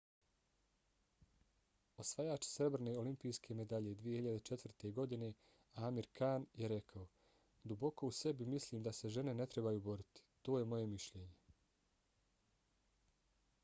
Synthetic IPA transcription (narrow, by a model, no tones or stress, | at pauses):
o̞sʋajaːt͡ʃsɾe̞bɾene̞ːo̞limpijskʰe̞me̞d̪aʎe̞d̪ʋijehiʎad̪et͡ʃe̞t̪ʋrt̪e̞ɡo̞d̪ine̞ | aːmiɾkʰaːnjeɾe̞kʰao | d̪ubo̞ko̞use̞bimisliːmd̪ase̞ʒe̞ne̞ne̞t̪ɾe̞bajuːbo̞ɾit̪i̥t̪o̞ːjemo̞je̞miʃʎeːɲe̞